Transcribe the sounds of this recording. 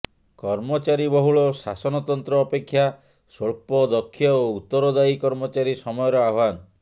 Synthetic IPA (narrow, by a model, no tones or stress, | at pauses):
kɔɾmɔt͡ʃaɾibɔɦuɭɔsasɔnɔt̪ɔnt̪ɾɔːpekʰːja | sɔɭpɔd̪ɔkʰːjɔout̪ːɔɾɔd̪aikɔɾmɔt͡ʃaɾisɔmɔjɔɾɔabʱanɔ